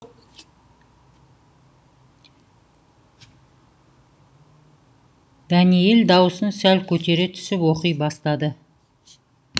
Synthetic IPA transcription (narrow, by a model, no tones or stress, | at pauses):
d̪̥ænijeld̪ɑwəsənsælkʲʰɵt̪e̞ɾet̪ʰʏ̥sɪpwo̞qijbɑst̪ɑd̪ə